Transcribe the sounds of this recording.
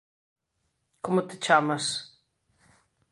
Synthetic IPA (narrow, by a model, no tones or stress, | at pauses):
komʊt̪ɪt͡ʃamɐs